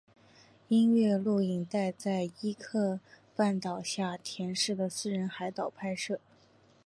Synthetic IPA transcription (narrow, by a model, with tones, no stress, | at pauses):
i˥nɥɛ˥˧lu˥˩i˨˩ŋt̪a˥˧ɪt͡sa˥˩ɪi˥kʰɤ˥˧ | pa˥˩nt̪ɑ˨˩ʊɕja˥˩t̪ʰjɛ˧˥nʂɻ̩˥˩d̪ə˩sɹ̩˥˧ɻə˧˥nxa˧˥ɪt̪ɑ˨˩ʊpʰa˥˧ɪʂɤ˥˩